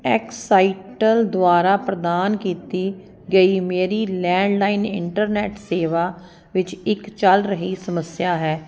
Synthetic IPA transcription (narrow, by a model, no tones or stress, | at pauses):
ɛksaːɪʈəld̪ʊaːɾaːpɾəd̪aːnkiːt̪iː | ɡəiːmeːɾiːlɛ̃ːɳɖlaːinɪ̰ɳʈəɾnɛːʈseːʋaː | ʋɪt͡ʃɪkt͡ʃəlɾəɦiːsəməsɪjaːɦɛː